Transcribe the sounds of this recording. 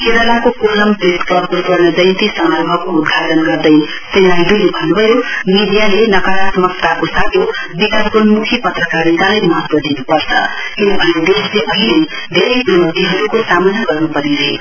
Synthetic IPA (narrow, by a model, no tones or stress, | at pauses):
keɾalakokoɾʌmpɾeskʌɾkot̪ʌɾnʌd͡zʌjnt̪isʌmaɾbʱʌbkoːd̪ʱaɾʌnɡʌɾd̪ʌj | senajd̪ujebʱʌnːubʱʌjomid̪ijalenʌkaɾasmʌkt̪akosat̪jobikaskonmukʰipʌt̪rəkaɾit̪alajmʌɦʌt̪wʌd̪inupʌɾt͡sʰʌ̰ | kinʌbʱʌned̪esleʔʌɦile | d̪ʱeɾʌjpumt̪iɦʌɾukosamənaɡʌrnupʌɾiɾʌɦḛ